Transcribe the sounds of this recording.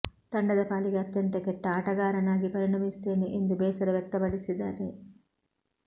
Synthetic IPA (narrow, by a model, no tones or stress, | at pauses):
t̪ɐɳɖɐd̪ɐpaːliɡeɐt̪ːɐnt̪ekːeʈːaːʈɐɡaːɾɐnaːɡipɐɾinɐmist̪eːneʔind̪ubeːsɐɾɐʋek̚t̪ːɐbɐɖisid̪aːɾeː